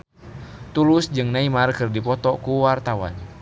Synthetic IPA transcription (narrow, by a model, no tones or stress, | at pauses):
t̪ulʊsd͡ʒɨŋnaimarkɨrdipɔt̪ɔkuwart̪awa̰n